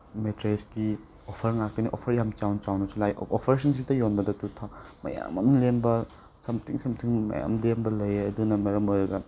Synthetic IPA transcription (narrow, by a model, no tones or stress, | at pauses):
metɾesɡi | opʰɐɾŋak̚tɐniʔo̰pʰɐɾjamt͡ʃawnt͡ʃawnɐsulajopʰeɾesʰɐns̬idɐjonbɐdɐtutʰamɐ̰ja̰mɐmlembɐ | sɐmtʰiŋsɐmtʰiŋmɐ̰ja̰mlembɐlɐjɐdunɐmeɾɐmoɾɐɡɐ